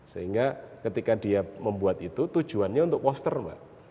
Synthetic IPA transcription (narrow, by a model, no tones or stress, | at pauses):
səɦiŋɡakət̪ikadiaməmbuat̪it̪ut̪u̥d͡ʒ̥uanɲaunt̪ʊk̚pɔst̪ərma̰ʔ